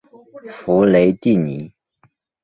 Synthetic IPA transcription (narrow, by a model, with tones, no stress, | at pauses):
fu˧˥le˧˥ɪt̪i˥˩ni˨˧˦